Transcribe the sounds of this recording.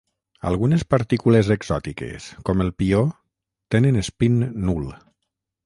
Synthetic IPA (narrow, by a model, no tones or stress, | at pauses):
a̰lˠɣunespaɾt̪ikulezeɡzɔt̪ikḛskɔmelˠpio | t̪enenespinːulˠ